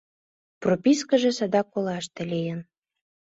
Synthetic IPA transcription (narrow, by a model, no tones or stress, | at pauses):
propʲiskəʒĕsɑd̪ɑkːolɑʃt̪ĕlijən